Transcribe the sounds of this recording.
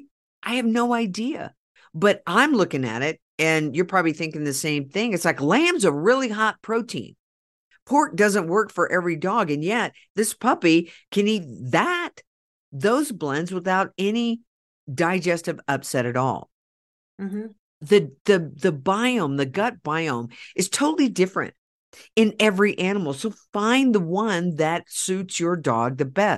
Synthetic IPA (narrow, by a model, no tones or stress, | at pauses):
ʔaɪɨvnoʊaɪdiɨ̰ | bʌɾãɪ̃mlʊkɪ̃ŋɨ̰ɾɪt̚ | ɨ̃njə˞pʰɹ̥ɑbəbliθɪ̃ŋkɪ̃ŋðɨsẽɪ̃mθɪ̃ŋɨtslaɪklæ̃mzəɹɪlˠiɦɑt̚pʰɹ̥oʊtʰḭ̃n | pʰɔɹt̚d̥ʌzə̃nʔ̚wɜ˞kfə˞ʔɛvɹidɔɡɨ̃njɛt̪̚ | ðɪspʰʌpikʰɨ̃nit̪̚ðət̪̚ | ðoʊzblɛ̃ndzwəθaʊɾɛni | daɪd͡ʒɛstɨvʌpsɛɾɨɾɔ̰lˠ | m̩m̥̩ | ðɨðɨðɨbaɪõʊ̃mðɨɡʌt̚b̥aɪõʊ̃mʔɨz̥tʰoʊɾl̩ˠidɪfɹɨ̰̃nt̚ | ɨ̃nɛvɹiʔænəml̩ˠsoʊfãɪ̃nðəwʌ̃nðɨtsʉtsjə˞dɔ̰ɡ̚ðɨbɛs